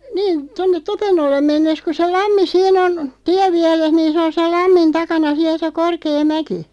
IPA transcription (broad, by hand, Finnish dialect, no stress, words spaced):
niːn tonːet topenːolːem menːes ku se lɑmːi siːn on tiæʋːiɛres niːn sĕ on sel lɑmːin tɑkɑnɑ siæl̆ se korkeː mæki